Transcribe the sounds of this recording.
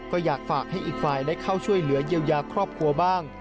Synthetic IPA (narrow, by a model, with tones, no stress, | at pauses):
kɔː˥˩jaː˨˩k̚faː˨˩k̚ha˥˩jʔiː˨˩k̚faː˧jdaː˥˩jkʰa˥˩wt͡ɕʰu˥˩əjlɯ˩˦ɐjiː˧wjaː˧kʰɾɔː˥˩p̚kʰɾu˧ɐbaː˥˩ŋ